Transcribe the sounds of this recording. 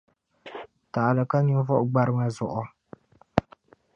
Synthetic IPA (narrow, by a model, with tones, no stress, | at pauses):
ta˨lɨ˨ka˦ɲu˦vɔ˦ʔɡ͡ba˦ɾɨ˦ŋa˦zʊ˨ʔʊ˨